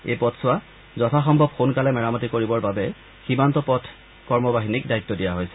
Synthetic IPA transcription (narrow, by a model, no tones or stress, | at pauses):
ḛjpɔtsʊwa | zɔtʰaxɔmbʱɔb̚xunkalɛmɛɹamɔtikoɹibɔɹbabɛ | ximantɔpɔtʰ | kɔɹmɔbaɦinikdait̪ːɔdijaɦojsɛ̥